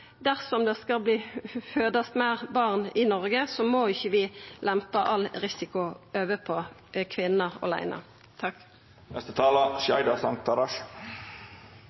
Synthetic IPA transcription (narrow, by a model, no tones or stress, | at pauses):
d̪æʁsɔmd̪ɛskɑlbliːføːd̪ɑst̪mæːʁbɑʁnɪnɔʁɡəsɔmoːɪçːəʋɪlɛmpəʔɑlʁɪsɪkʊøːʋəpʰo | kʰʋɪnːəɔ̰læ̰ɪnɑ̰ | t̪ʰɑk | nɛst̪ət̪ʰɑːlɑʃæɪd̪ɑsɑŋt̪ʰɑɾɑʃ